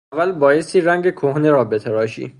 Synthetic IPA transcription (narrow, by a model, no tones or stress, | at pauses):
ævːælbɒːjest̪iːɾæŋɟekʰohneɾɒːbet̪ʰebɒːʃḭː